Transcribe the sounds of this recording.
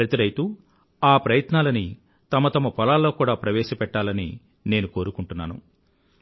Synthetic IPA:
ɾɐt̪iɾɐjt̪u | aːpɾɐjɐt̪naːlɐni | t̪ɐmɐt̪ɐmɐpɔlaːlːo̞ːkuːɽaːpɾɐʋɛːʃɐpɛʈːaːlɐnḭ | ne̞ːnuko̞ːɾukuɳʈunːa̰ːnṵ

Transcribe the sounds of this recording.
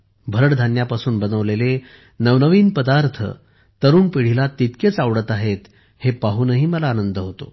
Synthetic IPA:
bʱəɾəɽd̪ʱanjapasuːnbənəʋlele | nəʋnəʋiːnpəd̪aɾt̪ʰə̰ | t̪əɾuːnpiɽ̤ilat̪ːit̪ket͡saʋɽət̪aɦet̪ | hepaɦunəɦiːməlaːnənd̪əɦot̪o̰

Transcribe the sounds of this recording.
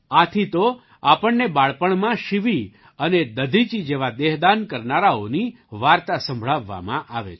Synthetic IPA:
at̪ʰit̪o | apəɳnebaɭpəɳmãʃiʋi | əned̪əd̪ʱit͡ʃid͡ʒeʋad̪eɦd̪ankəɾnaɾaoni | ʋaɾt̪asə̃mbʱɭaʋːa̰mã̰ʔaʋḛ

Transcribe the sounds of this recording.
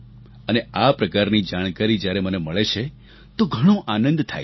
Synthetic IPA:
əneapɾəkaɾnid͡ʒaɽ̃kaɾid͡ʒjaɾeməneməɭet͡ʃʰe | t̪oɡʱəɽ̃õʔanə̃nd̪t̪ʰa̰j

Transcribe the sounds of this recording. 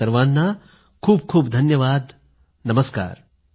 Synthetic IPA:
ɐɾʋaːnːa | kʰuːb̚kʰuːbd̪ʱɐnjɐʋaːd̪ | nɐməska̰ːɾ

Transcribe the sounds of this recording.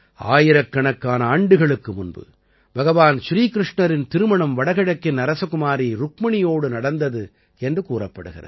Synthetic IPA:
a̰ːjɪɾɐkːɐɳɐkːaːnɐaːɳɖɯɣɐɭɯkːɯmʊnbɯ̰ | bɐɣɐʋaːnʃɾiːkɪɾɪʂɳɐɾɪnt̪ɪɾɯmɐɳɐmʋɐɽɐɣɪɽɐkːɪnɐɾɐsɐkʊmaːɾiɾʊkmɐɳɪjoːɽɯnɐɽɐnd̪ɐðɯ | ɛndrɯkuːrɐpːɐɽɯɣɪ̰rɐ̰ð

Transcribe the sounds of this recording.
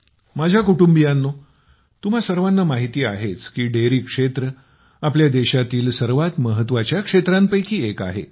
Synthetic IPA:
mad͡ʑʱjakuʈumbijanːo | t̪um̤asəɾʋanːamaɦit̪iːaɦet͡skiːɖeɾiːkʂet̪ɾə | apljad̪eɕat̪iːlsəɾʋat̪məɦət̪ʋat͡ɕjakʂet̪ɾampəjkiːeka̰ɦḛ

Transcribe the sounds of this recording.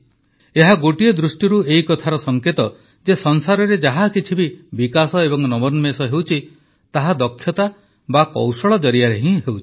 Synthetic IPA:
eɦaɡoʈiɔd̪ɾusʈjiɾueikɔt̪ʰaɾɔsɔŋket̪ɔ | d͡ʒesɔnsaɾɔɾed͡ʒaɦakit͡ʃʰibibikasɔebɔŋnɔbɔɾnmesɔɦewt͡ʃʰi | t̪aɦad̪ɔkʰːjɔt̪a | bakɔ̰wsɔɭɔd͡ʒɔɾijaɾeɦĩɦewt͡ʃʰi̥

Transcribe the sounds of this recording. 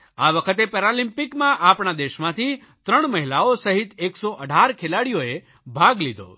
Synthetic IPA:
aʋəkʰət̪epɛɾalimpikmãʔapɳ̃ad̪eʃmãt̪ʰi | t̪ɾəɳməɦilaosəɦit̪eksoʔəɖʱaɾkʰelaɽijoe | bʱaɡlid̪ʱo̰

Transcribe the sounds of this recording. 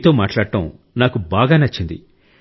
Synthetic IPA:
t̪o̞ːmaːʈlaːɽʈɐm | naːkubaːɡaːnɐt͡ʃːind̪ḭ

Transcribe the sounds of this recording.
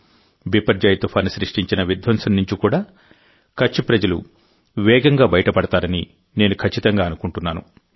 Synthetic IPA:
bipɐɾd͡ʒaːjt̪upʰaːnisɾiʂʈiɲt͡ʃinɐʋid̪ʋɐmsɐnnːuɲt͡ʃikuːɽaː | kʰɐt͡ʃːipɾɐd͡ʒɐlṵ | ʋɛːɡɐŋɡaːbɐjɐʈɐpɐɽɐt̪aːɾɐni | ne̞ːnukʰɐt͡ʃːit̪ɐŋɡaːɐnukuɳʈunːaːnṵ

